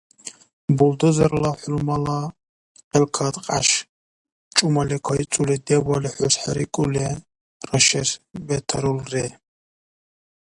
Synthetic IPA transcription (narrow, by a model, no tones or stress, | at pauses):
buld̪ɔzaɾlaħulmala | qʼɛlkʰad̪qʼa̰ʃ | t͡ʃʼumalɛkʷʰait͡sʼulɛd̪ɛbaliħʷʊsħaɾikʼulɛ | rɐʃɛsbɛt̪ʰaɾulrɛ